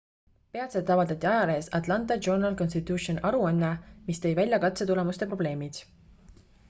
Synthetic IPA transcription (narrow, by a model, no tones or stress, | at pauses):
pe̞ɑt̪seːˑɑvɑld̪̥ɑt̪ʲːˑiɑjɑleːsɑt̪lɑnt̪ˑɑd͡ʒonɑlko̞nst̪it̪ʲːuʃionʔɑɾuɑnːemist̪ɤ̞jvælʲjɑkɑt̪set̪ule̞must̪e̞pro̞b̥le̞ːmid̪̥